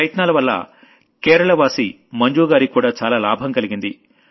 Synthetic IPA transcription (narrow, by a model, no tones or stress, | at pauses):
jɐt̪naːlɐʋɐlːɐ̰ | keːɾɐɭɐʋaːsḭ | mɐɲd͡ʒuːɡaːɾikuːɽaːt͡ʃaːlaːlaːbʱɐmkɐliɡind̪i